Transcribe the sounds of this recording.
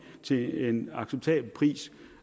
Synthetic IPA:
t͡sʰe̝e̝nɑ̈ɡ̥seb̥̚t͡sʰɛ̰ːb̥l̩pʰʁḭːs

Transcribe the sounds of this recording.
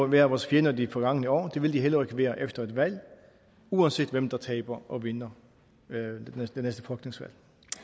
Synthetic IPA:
ʋæɐæʋɒːsfjenɐdifɒ̽ɡ̥ɑ̈ŋ̰ənəɒ̰ːd̥e̝ʋe̝ld̥iɦelɐeɡ̥əʋeːɐʔefd̥ɐe̝d̥ʋæl̰ | uːænsḛːd̥ʋemd̥ɑ̈t͡sʰɛːɪb̥ɐʔɒʋe̝nɐ | d̥enesd̥əfʁœɡ̥ne̝ŋsʋæ̰l̰

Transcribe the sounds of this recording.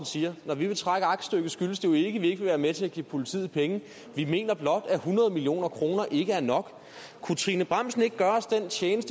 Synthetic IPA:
nsiːɐnɒʋiʋe̝t͡sʰʁaɡ̥əɑ̈ɡ̥sd̥øɡ̥əsɡ̥yləsd̥e̝oe̝ɡ̥əʋie̝ɡ̥ʋe̝ʋæːɐmet͡sʰe̝æɡ̥ḭːpʰo̝lit͡sʰḭð̩ˠpʰeŋə | ʋime̝̰ːnɐb̥lɒ̽d̥æhunʁɐð̞ˠmilio̝̰ːnɐkʰʁo̝ːnɐʔe̝ɡ̥əæɐnɒ̽ɡ̥ | kʰut͡sʰʁinəb̥ʁɑ̈m̰sn̩e̝ɡ̥ɡ̥ɶːɐɒ̽sd̥ent͡sʰjeːnəsd̥ə

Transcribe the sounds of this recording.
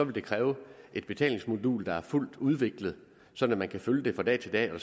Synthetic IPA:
sɒ̽ʋe̝ld̥e̝kʰʁɛːʊʔe̝d̥̚b̥e̝t͡sʰɛ̰ːle̝ŋsmo̝dṵːld̥ɑ̈æɐful̰d̥uð̞ˠʋe̝ɡ̥ləð̞̩ˠ | sɒ̽d̥n̩æmænkʰæføljəd̥e̝fʁɑ̈d̥ɛ̰ːt͡sʰe̝ld̥ɛ̰ːɒ̥

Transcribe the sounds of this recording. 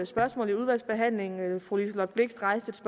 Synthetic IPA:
sb̥ɶɐsmɔ̰̽ːliuð̞ˠʋæl̰sb̥e̝ɦæn̰le̝ŋfʁulislɒ̥b̥le̝ɡ̥sʁɑ̈ɪ̰sd̥əedsb̥

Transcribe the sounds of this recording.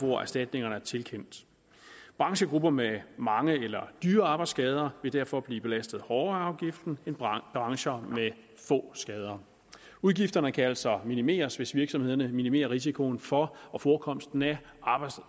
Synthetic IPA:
ʋɒæ̰ɐsd̥æd̥ne̝ŋɐnəæɐt͡sʰe̝lkʰen̰d̥ | b̥ʁɑ̈ŋɕəɡ̥ʁub̥ɐmemɑ̈ŋəelɐd̥yːɐɑ̈ːb̥ɑɪdsɡ̥ɛːð̞ˠɐʋe̝d̥æɐfɒ̽b̥liːb̥e̝læsd̥ð̞̩ˠhɒʊɐɑ̈ʊɡ̥ifd̥n̩e̝nb̥ʁɑ̈ŋɕɐme | fɔ̰̽ːsɡ̥ɛːð̞ˠɐ | uðˠɡ̥ifd̥ɐnəkʰæælsɑminime̝̰ːɐsʋe̝sʋiɐɡ̥sɒ̽mhe̝ð̞̰ˠɐnəminime̝̰ːɐʁis̬ikʰo̝nfɒ̽ɒ̽fɒːkʰɒ̽m̰sd̥n̩æ | ʔɑ̈ːbɑɪ

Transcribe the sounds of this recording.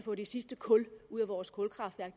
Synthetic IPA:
fɔ̰̽ːd̥esisd̥əkʰɔ̽luð̰ˠæʋɒːskʰɔ̽lkʰʁɑ̈d̥ʋæɐɡ̥̚

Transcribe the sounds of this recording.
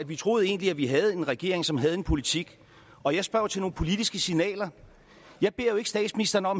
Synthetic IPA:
ædʋit͡sʰʁo̝ːð̞̩ˠe̝̰ːnliæʋiɦæð̞̩ˠe̝nʁɛɡ̥e̝̰ɐ̰eŋsɒ̽mɦæð̞̩ˠe̝npʰo̝lit͡sʰiɡ̥ | ɒ̽jɑ̈ɪsb̥ɶɐ̰ʊt͡sʰe̝lno̝ːnpʰo̝lid̥isɡ̥əsinɛ̰ːlɐ | jɑ̈ɪb̥e̝ɐ̰joe̝ɡ̥əsd̥ɛ̰ːdsminisd̥ɐnəɒ̽m

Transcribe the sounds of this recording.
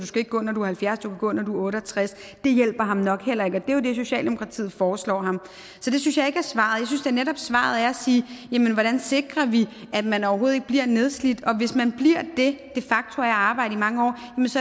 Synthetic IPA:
d̥uskæeɡ̥̚ɡɔ̰ːnɒduhælfjæɐsd̥ukʰæɡ̥ɔ̰̽ːnɒd̥uɔ̽ːɾəɒt͡sʰʁas | d̥e̝jel̰b̥ɐɦɑ̈mnɒ̽ɡ̥hel̰ɐe̝ɡ̥ɒ̽d̥e̝jod̥e̝s̬o̝ɕɛ̰ːld̥emo̝kʰɑ̈t͡sʰḭːð̩ˠfɒːslɒ̰ːɦɑ̈m | sɒ̽d̥e̝synsjɑ̈ɪe̝ɡ̥æɐsʋɑ̈ðˠjɑɪsynsd̥eɐneɾɒ̽b̥sʋɑ̰̈ð̞̩ˠæɐæsiːjæmənʋɒɾ̥ænse̝ɡ̥ʁɐʋi | ʔæ̥mænɒʊɐɦoːð̩ˠeɡ̥̚b̥liɐ̰ne̝ð̞ˠslid̥ɒ̽ʋe̝smænb̥liɐ̰d̥e̝d̥e̝fɑ̈ɡ̥̚t͡sʰo̝æjɑ̈ːb̥ɑ̈ɪ̰d̩əimɑ̈ŋəɒ̰ːjæməns

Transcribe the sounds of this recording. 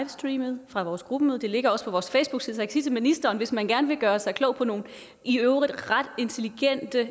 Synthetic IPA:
ʋsd̥ʁiːməð̩ˠfʁɑ̈ʋɒːsɡ̥ʁub̥əmøːðˠd̥e̝le̝ɡ̥ɐɒ̽sə̥pʰɒ̽ʋɒːsfɛɪsb̥uɡ̥siðˠʰɡ̥sid̥əminisd̥ɐːnʋe̝smænɡ̥æɐnəʋe̝ɡ̥ɶːɐsɑ̈ɪkʰlɔ̰ʊpʰɒ̽no̝ːn̩ | ʔiøʊʁid̥ʁɑd̥e̝nt͡sʰe̝liɡ̥en̰d̥ə

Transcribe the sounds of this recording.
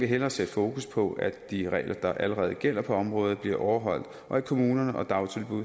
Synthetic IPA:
ʋe̝ɦel̰ɐːsed̥fo̝ːkuspʰɒ̽æd̥iʁɛ̰ɪlʔɐd̥ɑ̈ʔæləʁɛːð̞̩ˠɡ̥el̰ɐpʰɒ̽ɒ̽mʁɔ̽ːð̞̩ˠb̥liɐʔɒʊɐɦɒ̽l̰d̥ | ʔɒ̽ækʰo̝muːnɐnəʔɒ̽d̥ɑ̈ʊt͡sʰe̝lb̥uðˠ

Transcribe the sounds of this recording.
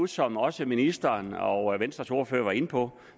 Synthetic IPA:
usɒ̽mɒ̽səminisd̥ɐnɒʋensd̥ʁɐso̝ːɐføːɐʋɑ̈e̝nəpʰɒ̽

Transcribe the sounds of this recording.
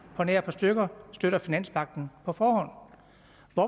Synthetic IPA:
pʰɒne̝ɐpʰɒ̽sd̥øɡ̥ɐsd̥øɾɐfinæn̰smʰɑ̈ɡ̥̚d̥n̩pʰɒ̽fɒːɦɒ̽n̰ | ʋɒ

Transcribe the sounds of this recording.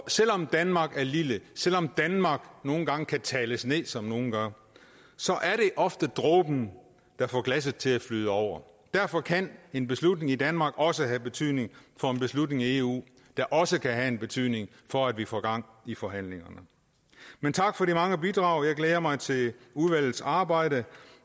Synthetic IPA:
sel̰ɒ̽md̥ænmɑ̈ːɡ̥æɐliləsel̰ɒ̽md̥ænmɑ̈ɡ̥no̝ːn̩ɡ̥ɑ̈ŋəkʰæt͡sʰɛːləsne̝ðˠsɒ̽mno̝ːn̩ɡ̥ɶŋ̰ | sɒ̽ʔæɐɾe̝ʔɒ̽fd̥əd̥ʁɔ̰ːb̥n̩ | d̥ɑ̈fɒ̰ːɡ̥læs̬əð̩ˠt͡sʰe̝læflyðˠəɒʊ̰ɐ | d̥æɐfɒ̽kʰæne̝nb̥e̝slud̥ne̝ŋid̥ænmɑ̈ːɡ̥ɒ̽səɦæb̥e̝t͡sʰyð̰ˠne̝ŋfɒ̽e̝nb̥e̝slud̥ne̝ŋie̝ṵː | d̥ɑ̈ʔɒ̽səkʰæɦæe̝nb̥e̝t͡sʰyð̰ˠne̝ŋ | fɒ̽æd̥ʋifɒ̰ːɡ̥ɑ̈ŋ̰ifɒ̽ɦæn̰le̝ŋɐnə | ment͡sʰɑ̈ɡ̥fɒ̽ɾimɑ̈ŋəbid̥ʁɑ̈ʊ̰jɑ̈ɪɡ̥leːɐmɑ̈ɪt͡sʰe̝luðˠʋæl̰ð̩ˠsɑ̈ːb̥ɑ̈ɪ̰ɾ̥ə

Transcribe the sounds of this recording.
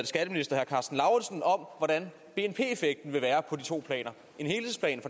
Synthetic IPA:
ð̩ˠsɡ̥æd̥əminisd̥ɐhæɐkʰɑ̈sd̥n̩lɑ̈ʊsn̩ɒ̽mʋɒd̥æn | b̥e̝enpʰe̝̰ːefeɡ̥̚d̥n̩ʋe̝ʋæːɐpʰɒ̽d̥it͡sʰo̝̰ːpʰlɛ̰ːnɐ | e̝nhe̝ːlhe̝ðˠspʰlɛ̰ːnfɒ

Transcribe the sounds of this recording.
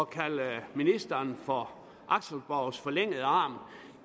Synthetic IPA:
ɒkʰæləminisd̥ɐnfɒ̽ | ʔɑ̈ɡ̥səl̩b̥aʊsfɒ̽leŋ̰əð̩ˠəɑ̈ːm

